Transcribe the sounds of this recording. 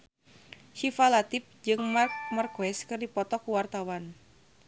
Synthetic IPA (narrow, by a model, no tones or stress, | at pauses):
hifalat̪ip̚d͡ʒɨŋmamarkwɛskɨrdipɔt̪ɔkuwart̪awan